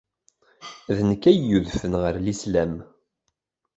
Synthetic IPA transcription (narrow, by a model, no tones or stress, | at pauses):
ðnəkːæjːuðfənʁəɾlislæm